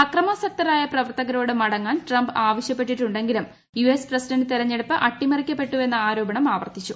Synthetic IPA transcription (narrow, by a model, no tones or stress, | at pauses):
ɐkrɐmasɐk̚t̪ɐɾaːjɐprɐʋɐrt̪ɐɣɐɾo̞ːɽɨmɐɽɐŋːaːnʈrɐmbaːʋɐɕjɐpːe̞ʈːiʈːuɳɖe̞ŋɡilum | juesprɐsiɖɐnɖɨt̪iɾɐɲːe̞ɽupːɨʔɐʈːimɐrikʲːɐpːe̞ʈːue̞nːɐaːɾo̞ːbɐɳɐmaːʋɐrt̪it͡ɕːu